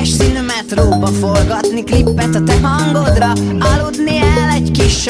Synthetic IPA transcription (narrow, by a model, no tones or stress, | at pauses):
ʃsinyːmɛt̪roːbɒfolɡɒt̪niklipːɛt̪ɒt̪ɛɦɒŋɡod̪rɒɑlud̪niɛlɛɟkiʃ